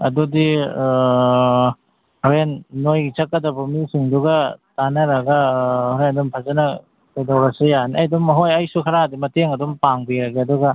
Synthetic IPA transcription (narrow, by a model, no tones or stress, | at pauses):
ɐ̰dudi | ɾenːojɡt͡ʃɐkːɐdɐbumisiŋduɡɐtanɐɾaɡɐɾendɔmpʰazanɐ | kajdawɾasɯjaniʔajdɔmɐɦojajsukʰɐɾadimɐteŋɐdɔmpaŋbiɾɐɡeɐduɡɐ